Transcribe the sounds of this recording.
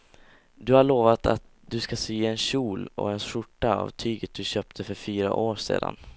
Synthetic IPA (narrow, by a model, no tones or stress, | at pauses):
d̪ɵhaɭoːvat̪a̰t̪̚d̪ɵskasyːɛnɕuːlɔ̰ɛnʂʊʈːaa̰vt̪ʰyːɡət̪̚d̪ɵɕœːp̚t̪ʰəfœɾfyːɾa̰ʔoːʂḛːd̪a̰n